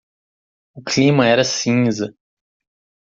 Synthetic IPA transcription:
ʊklĩmɐɛɾɐsĩzɐ

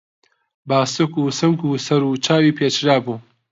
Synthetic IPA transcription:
baːsɨkuːsɨmkuːsɐɾuːt͡ʃʰaːwiːpʰeːt͡ʃɾaːbuː

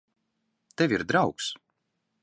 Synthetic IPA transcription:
t̪evʲiɾd̪ɾawks

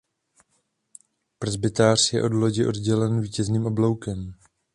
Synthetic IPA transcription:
pɾɛzbɪt̪aːr̝̥jɛ̰ʔo̞dlo̞ɟɪʔo̞dɟɛlɛnviːcɛzniːmʔo̞blowkɛm

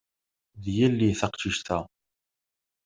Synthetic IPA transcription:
ðjælːiθɑqʃiʃt̪æ

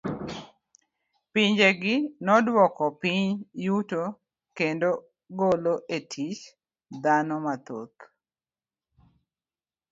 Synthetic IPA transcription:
piɲd͡ʒeɡɪnɔdwɔkɔpiɲjuto | kendo | ɡoloʔetʰit͡ʃ | d̪anɔmat̪o̰t̪

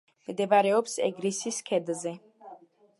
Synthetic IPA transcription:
md̪ɛbaɾɛɔpsɛ̰ɡɾisiskʰɛd̪zɛ

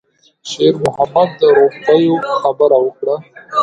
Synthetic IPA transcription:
ʃeɾmʊɦamad̪ːəɾopajoxabəɾawəkɽa

